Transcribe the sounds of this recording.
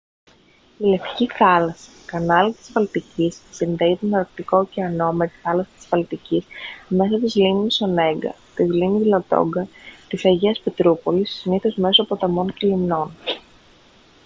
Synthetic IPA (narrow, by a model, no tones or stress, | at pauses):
ile̞ft̪i̥ciθɐlɐsɐ̥kɐnɐlit̪i̥svɐlt̪icisːinðeiet̪onɐɾkt̪iko̞ceɐno̞me̞t̪i̥θɐlɐsɐ̥t̪i̥svɐlt̪icisme̞sɐt̪izliniso̞ne̞ŋɡɐ̰ | t̪izlinizlot̪o̞̰ŋɡɐt̪isɐʝiɐspe̞t̪ɾupolissiniθozme̞sopot̪ɐmo̞ncelimno̞n